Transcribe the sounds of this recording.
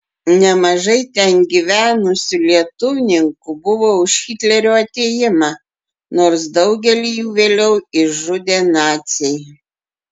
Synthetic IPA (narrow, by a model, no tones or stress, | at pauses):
nʲɛmɐʒɐɪt̪ʲɛnɡʲiʋʲæːnʊsʲʊlʲiɛt̪ʊʋʲɪnʲɪŋkʊbʊʋoːʊʃxʲiːt̪ʲlʲɛɾʲoːɐt̪ʲeːjɪmɑ | noːɾs̬d̪ɐʊɡʲɛlʲijuːʋʲeːlʲɛʊɪʒʊd̪ʲeːnɑːt̪sʲɛj